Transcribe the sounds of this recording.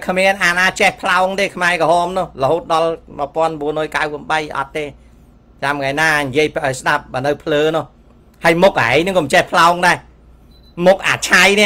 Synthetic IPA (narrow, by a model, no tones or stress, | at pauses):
kʰmiənʔaːnaːt͡ɕehpʰlaɔŋt̪eːkʰmaɛkɔhɑːmnʊ̆əhləhoːt̪̚ɗɑlməəpŏənɓuənrɔːjkawpuəɓəjʔɑ̰t̪ːeː | t͡ɕamŋajnaːnijiəjpʔajsɗap̚ɓaːnɨwpʰləːnʊ̆əh | həəjmʊk̚ʔaɛjnɨŋkɔmt͡ɕehpʰlaɔŋɗaɛ | muk̚ʔa̰ːt͡ɕʰajnĭəʔ